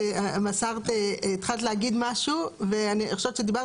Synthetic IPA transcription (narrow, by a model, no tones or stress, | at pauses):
amasaʁt̪eit̪χalt̪leaɡid̪maʃuveanieχoʃevtt͡ʃed̪iba